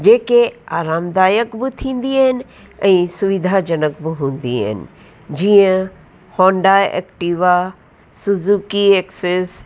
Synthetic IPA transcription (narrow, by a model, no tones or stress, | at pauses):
d͡ʑeːkeaːɾaːmd̪aːjəkbɪt̪ʰĩːnd̪iaːɦɪnɪ̆ | ɛ̃ːsʊʋɪd̪ʱad͡ʑɐnək̚bɪɦũːnd̪ia̰ːɦɪ̰nɪ̰̆ | d͡ʑiːə̃ | hɔ̃ːɳɖaːḛːkʈiːʋa | sʊzuːkieːkses